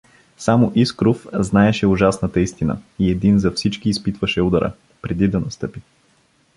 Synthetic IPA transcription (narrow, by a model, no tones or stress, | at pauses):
samoʔiskɾofznaɛʃɛʊʒasnət̪ɐist̪inə̰iɛd̪inzɐfsit͡ʃkiːspit̪vɐʃɛud̪ɐɾʔə̰ | pɾɛd̪id̪ɐnɐst̪ɤpi